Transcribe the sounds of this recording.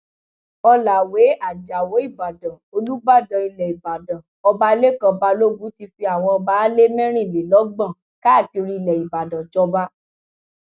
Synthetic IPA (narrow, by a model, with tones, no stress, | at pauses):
ɔ˧la˨we˨˦a˦˨d͡ʒa˨wo˨˦i˦˨ba˨dã˨o˧lu˦ɡ͡ba˦˨dã˨i˧lɛ˨i˨ba˨dã˨ | ɔ˧ba˦le˦kã˧ba˧˦lo˦ɡũ˨˦ti˧fi˧a˨w̃ɔ̃˧ɔ˧ba˦le˦mɛ̃˦ɾ̃ĩ˦˨le˨lɔ˨˦ɡ͡bã˦˨ | ka˦˨ki˧ɾi˧i˧lɛ˨i˨ba˨dã˨d͡ʒɔ˧ba˦